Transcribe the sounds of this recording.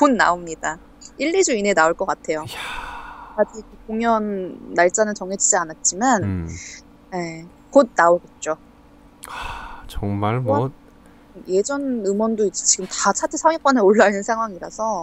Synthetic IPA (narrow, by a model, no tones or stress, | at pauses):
punːa̰omɲid̥a | iɭːid͡ʑuine̞naoɭk͈ʌk͈atʰe̞jo | kad͡ʑikekoŋjʌnːaɭt͡ɕ͈anɯnt͡ɕʌŋɦed͡ʑid͡ʑianat̚t͡ɕ͈iman | ne̞ | kod̚naoɡe̞t̚t͡ɕ͈o | at͡ɕʌŋmaɭmʌt̚ | je̞d͡ʑʌnɯmwʌndoid͡ʑet͡ɕiɡɯmtat͡ɕʰatʰesʰamek͈wane̞oɭːainɯnsʰaŋɦwaŋiɾasʰʌ